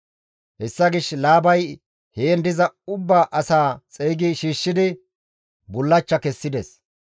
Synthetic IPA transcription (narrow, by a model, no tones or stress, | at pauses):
hɛsːɐɡɪʃlaːbɐj | heːnd̪ɪzɐʊbːaːʔɐsaːt͡sʼɛjɡɪʃiːʃːɪd̪ɪ | bʊlːɐt͡ʃːɐkɛsːɪd̪ɛs